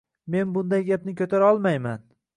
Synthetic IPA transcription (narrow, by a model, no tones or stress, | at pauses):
me̞nbʊnd̪ajɡʲapnɪkʲʰɵt̪ʰaɾaɒlˠmajman